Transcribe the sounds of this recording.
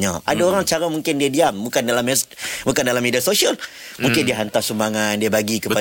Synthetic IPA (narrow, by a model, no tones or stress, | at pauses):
ɲaʔa̰daoɾaŋt͡ʃaɾamuŋkɪndiadiamːukandalamɛsmukandalamːediasosial | muŋkɪndiaɦant̪asəmaŋandiabaɡikəpa